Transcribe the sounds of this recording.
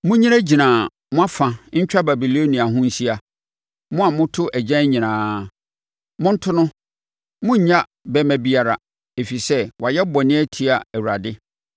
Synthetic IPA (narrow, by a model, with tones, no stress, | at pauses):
mʊ̃˦ɲĩ˦ɾæ˦d͡ʑi˨nãː˨ | mʊ̃˦a˦fã˨ɲ̩˦t͡ɕᶣa˦ba˨bi˨lo˦nĩ˨a˨ɦʊ̃˦n̩˦si˦a˨ | mʊ̃˦a˨mʊ̃˦tʰʊ˦ʔæ˨d͡ʑã˦ɲĩ˨nãː˨˦ | mʊ̃˦n̩˦tʰʊ˦nʊ̃˦ | mʊ̃˦ɲ̩˨ɲã˦ | bɛ˦mæ̃˦bi˦a˨ɾa˨ | e˨fi˨sɛ˦wa˨jɛ˦bɔ˨nɪ̃˦ɛ˦tʰi˨˦a˨æ˨wu˨ɾa˨dɪ˦